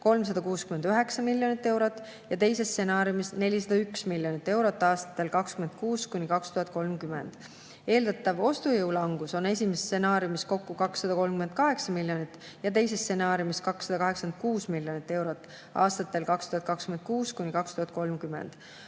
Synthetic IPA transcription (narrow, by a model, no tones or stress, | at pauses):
ko̞lms̬ɑd̪̥ɑkuːskymend̪yɦe̞ksɑmilʲːjo̞nit̪ːˑe̞wɾot̪ːˑ | jɑt̪e̞jse̞st̪se̞nɑːɾjumisne̞lʲisɑd̪̥ɑyksmilʲjo̞nit̪ːˑe̞wɾo̞t̪ˑːɑːst̪ɑ̥t̪ːˑe̞lkɑkskymed̪̚kuːskunʲikɑkst̪uhɑt̪̚ko̞lmkyme̞̰nd̪̥ | e̞ːld̪̥ɑt̪ːˑɑvo̞st̪ujɤwlɑŋɡ̥uso̞ne̞sʲimest̪se̞nɑːɾjumisko̞kːukɑksːɑd̪̥ɑko̞lmkyme̞nd̪̚kɑɦe̞ksɑmilʲːjo̞nit̪ːˑ | jɑt̪̬ejse̞st̪senɑːɾjumiskɑksːɑd̪ɑkɑɦe̞ksɑken̚kuːsmilʲjo̞nit̪ːe̞wɾot̪ːˑ | ɑ̰ːst̪ɑt̪ːˑe̞lkɑkst̪uhɑt̪̚kɑkskyme̞nd̪̚kuːskunʲikɑkst̪uhɑt̪̚ˑko̞lmkyme̞̰nd̪̥